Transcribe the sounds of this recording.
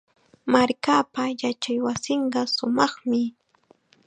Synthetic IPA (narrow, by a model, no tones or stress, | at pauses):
maɾkaːpajat͡ʃajwasɪɴɢɑsʊmɑχmɪ